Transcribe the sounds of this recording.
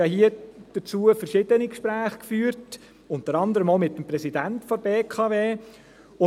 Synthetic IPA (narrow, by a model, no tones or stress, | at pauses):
jɑhiəd̥ət͡suːəfərʃɪd̥ənikʃpɾæːχkfyːɾt | ʊntəɾɑnd̪əɾəmomɪtːəmpɾɛsidæntfɔɾbeːkʰɑːveː | ʊ